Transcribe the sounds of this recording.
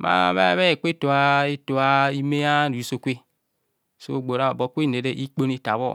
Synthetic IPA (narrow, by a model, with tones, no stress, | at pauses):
ma̰˦˨βa̰˦˨βe˦˨k͡pe˦˨to˨a˦e˦to˨a˦i˦me˦a˦ɾu˨i˨˦so˨kʷe˦ | so̰˦˨ɡ͡bo˨ɾa˦˨bɔ˨˦kʷe˦˨ne˨ɾe˦ʔi˦k͡po˦ne˦ta˨βɔ̰˦˨